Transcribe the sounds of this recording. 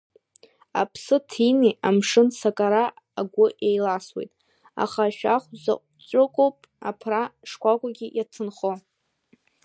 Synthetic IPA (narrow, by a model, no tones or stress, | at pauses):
a̰pʰsɨtʰiniamʂɨnsakʼaɾa | aɡʷʊʔejlaswe̞̰jtʼ | a̰χaʃᶣaχʷza̰qʷʼ | t͡ʃʷʼʊkʼowpʼ | a̰pʰraʂkʷʰʼakʷʼaɡʲijatʰɨnχo